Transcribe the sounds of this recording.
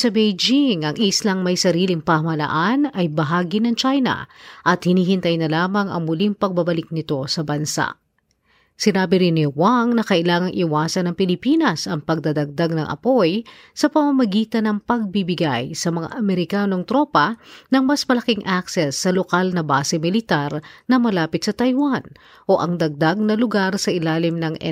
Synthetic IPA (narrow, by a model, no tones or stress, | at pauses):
sɐbejd͡ʒiŋɐŋʔislɐŋmɐjsɐɾiːlɪŋpɐɐmɐlɐ̰ʔanɐjbɐɦaːɡinɐŋt͡ʃajnɐ̰ʔɐt̪̚hɪniːhɪnt̪ɐjnɐlaːmɐŋɐ̰ŋmʊliŋpɐɡ̚bɐbɐlɪk̚nɪt̪o̞sɐbɐnsa̰ʔ | sɪnaːbɪɾɪnːɪwaŋnɐkɐʔɪlaːŋɐŋʔɪwaːsɐnɐŋpɪlɪpinɐsɐŋpɐɡ̚d̪ad̪ɐɡ̚d̪aɡ̚nɐŋʔɐ̰po̞j | sɐpɐmɐmɐɡiːt̪ɐnɐŋpɐɡ̚bibɪɡajsɐmɐŋa̰ʔɐmɛɾɪkaːno̞ŋt̪ɾo̞ːpɐnɐŋmɐsmɐlɐkiŋʔaksɛsːɐlokalnɐbaːsɛmɪlɪt̪aɾnɐmɐlaːpɪt̪sɐt̪ɐjwan | ʔo̞ʔɐŋd̪ɐɡ̚d̪aɡ̚nɐlʊɡaɾsɐʔɪlaːlɪmnɐŋʔɛ̰